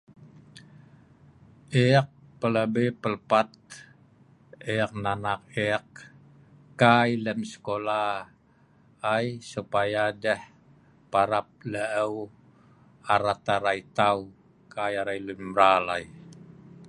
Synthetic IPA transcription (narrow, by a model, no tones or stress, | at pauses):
ɛk̚ | pələbepələpat̪̚ | ɛk̚nanak̚ɛk̚ | kajləmsə̥kola | jsupajadɛh | paɾap̚ləʔəw | aɾat̪aɾajt̪aw | kajaɾajlumɾalaj